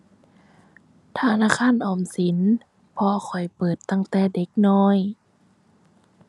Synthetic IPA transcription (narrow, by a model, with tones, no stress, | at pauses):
t̪ʰaː˧˩naː˧˥˨kʰaː˧˥˨nʔɔː˨˩msi˨˦n | pʰɔ˧xʰɔ˨˩jpɤː˨˩t̪ːa˧˩ŋt̪ɛː˧˩de˧˦k̚nɔː˧˥˨j